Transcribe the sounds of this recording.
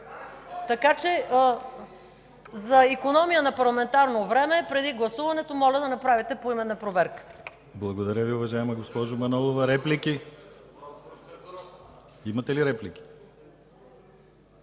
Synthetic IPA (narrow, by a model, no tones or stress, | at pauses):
t̪ɐkat͡ʃɛ | zɐikonɔmijənɐpɐɾlˠɐmɛnt̪aɾnovɾɛmɛpɾɛd̪iɡlˠɐsuvɐnɛt̪omɔlʲɐd̪ɐnɐpɾavit̪ɛpoimɛnːɐpɾovɛɾkə̥ | blˠɐɡod̪ɐɾʲjəviʊvɐʒaɛmɐɡospɔʒomɐnɔlˠovɐɾɛpliki | imɐt̪ɛliɾɛplikʲi̥